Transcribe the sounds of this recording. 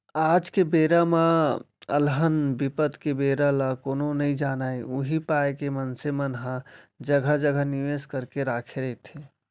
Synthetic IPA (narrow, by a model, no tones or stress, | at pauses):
ad͡ʒkebeɾama | ə̰lɦənbipət̪kebeɾalakoːnonəĩd͡ʒaːnaiuɦipaekemənsemənɦãd͡ʒəɡʱəd͡ʒəɡʱəniʋeskəɾkeɾakʰeɾət̪ʰe